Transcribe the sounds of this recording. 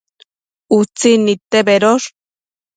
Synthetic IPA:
ut͡sinit̪ebeɾoɾ

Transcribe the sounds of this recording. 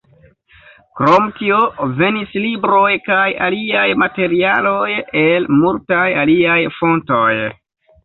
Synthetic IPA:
kɾo̞mtio̞ve̞nislibɾo̞jkaja̰liajmate̞ɾialo̞jelmultajaliajfo̞ntoj

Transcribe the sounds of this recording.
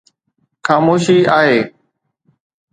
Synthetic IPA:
xaːmoːʃiːaːɦeː

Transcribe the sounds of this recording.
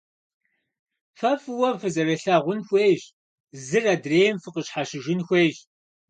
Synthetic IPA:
fɐfɨwɐmfɨzɐrɐɬaʁʷʊnxʷeːʑ | zɨraːdreːjmfɨqəɕħaɕɪʒɪnxʷeːʒ

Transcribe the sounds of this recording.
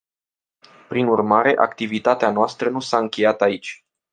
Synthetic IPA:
pɾinurmaɾe̞ʔa̰kt̪ivit̪at̪eanoast̪ɾənusaɨŋkʲe̞jat̪ait͡ʃʲ

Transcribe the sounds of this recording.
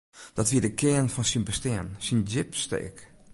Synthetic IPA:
d̥ɔtʋiədəkʰɪənfɔnsinbəstɪənsind͡ʒɪpstḛːk

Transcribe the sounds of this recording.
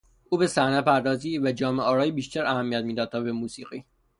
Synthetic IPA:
uːbesæhnæpʰæɾd̪ɒːziːvæd͡ʒɒːmeɒːɾɒːjibiːʃt̪æɾæhæmːijæt̪̚miːd̪ɒːd̪̚t̪ʰɒːbemuːsiːɣiː

